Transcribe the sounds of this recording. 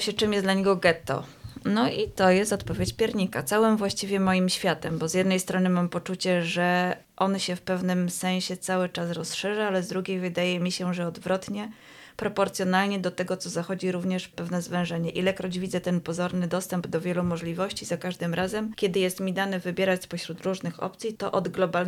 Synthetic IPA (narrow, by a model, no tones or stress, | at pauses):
ɕɛt͡ʂɘmjɛsd̪laɲɛɡɔɡɛt̪ɔ̰ | nɔʔit̪ɔjɛst̪ɔt̪pɔvʲjet͡ɕpʲjɛɾɲika̰t̪sawɘmvwaɕt͡ɕivʲjɛmɔjimɕfʲjat̪ɛmbɔzʲjɛd̪nɛjst̪ɾɔnɘmampɔt͡ʂut͡ɕɛʐɛ | ʔɔnɕɛfpɛvnɘmsɛ̃ɕɛt̪sawɘt͡ʂasɾɔsʂɛʐaalɛzd̪ɾuɡʲejvɘd̪ajɛmʲiɕɛʐɛɔd̪vɾɔt̪ɲɛ | pɾɔpɔɾt̪sʲjɔn̪alɲɛd̪ɔt̪ɛɡɔt̪sɔzaxɔd͡ʑiɾuvɲɛʂpɛvnɛzvɛ̃w̃ʐɛɲɛʔilɛkɾɔd͡ʑvʲid̪zɛt̪ɛnpɔzɔɾnɘd̪ɔst̪ɛmbd̪ɔvʲjɛlumɔʐlʲivɔɕt͡ɕizakaʐd̪ɘmɾazɛmkʲɛd̪ɘjɛst̪mʲid̪anɛvɘbʲjɛɾat͡ɕspɔɕɾut̪ɾuʐnɘxɔ̰pt̪sʲit̪ɔʔɔd̪ɡlɔbal